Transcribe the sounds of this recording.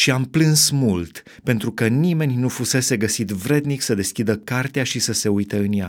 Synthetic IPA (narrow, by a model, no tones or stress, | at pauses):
ʃiamplɨnsmult̪ | pe̞nt̪ɾukənime̞nʲnufuse̞se̞ɡəsit̪vɾe̞d̪niksəd̪e̞skʲid̪əkart̪eaʃisəse̞ujt̪eɨnja̰